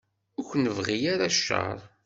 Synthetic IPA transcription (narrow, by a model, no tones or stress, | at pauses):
ʊkʷnəvʁijaɾaʃːɑ̰ɾˤ